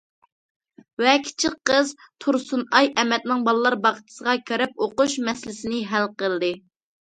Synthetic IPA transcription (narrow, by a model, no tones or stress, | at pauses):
vɛkʲʰi̥t͡ʃʰɪqqəz | t̪ʰuɾsunɑjʔɛmɛt̪nɪŋbɑlˠɨlˠɑɾbɑqʰə̥t͡ʃ̪ʰɪ̥səʁɑkʲʰeɾɛp̚oquʃmɛsɪlɪsɪnɪɦælqəlˠd̪ɨ